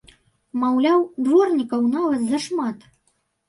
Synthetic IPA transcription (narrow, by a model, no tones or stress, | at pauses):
mawlʲawd̪vɔrnʲikɐwnɑvɐt̪zɐʂmɑt̪